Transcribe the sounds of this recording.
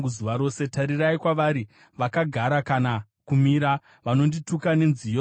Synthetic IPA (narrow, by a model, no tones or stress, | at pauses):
uzuʋaɾo̞ːse̞taɾiraikwaʋaɾi | ʋakaɡʱaɾakana | kumiɾa | ʋano̞nditukane̞nzijo